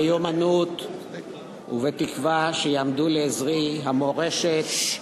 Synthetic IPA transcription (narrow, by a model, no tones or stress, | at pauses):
jomanut̪ | ṵvet̪ikvaʃejaːmd̪uleːzʁiɦamo̞ʁe̞ʃet̪